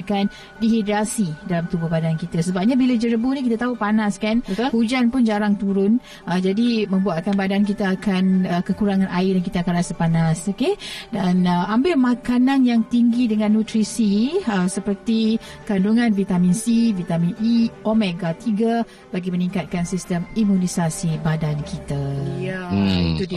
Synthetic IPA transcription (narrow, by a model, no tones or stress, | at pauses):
kan | diɦidɾasidalamt̪ubʊhbadankit̪asəbap̚ɲabilad͡ʒəɾəbunik̬it̪at̪aɦupanaskant̪hud͡ʒanpʊnd͡ʒaɾaŋt̪uɾʊn | ʔəd͡ʒadimə̃mbuaʔ̪̚kanbadank̬it̪aːkanəkəkuɾaŋãnʔaɪdankit̪aːkanasəpanasokedanəambɪlmakananjaŋt̪iŋɡidəŋãnːut̪ɾisiəsəpərt̪i | kanduŋanvit̪aminsivit̪amĩniomɛɡat̪iɡa | baɡimənĩŋkat̪̚kansist̪əmimunisasibadankʰit̪ajait̪ud